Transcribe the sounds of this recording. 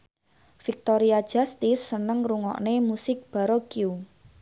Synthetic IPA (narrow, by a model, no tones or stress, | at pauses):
fik̚t̪oɾiad̥ʒ̥a̤st̪isːənəŋruŋɔ̰ʔnemusɪk̚b̥a̤ɾɔkiu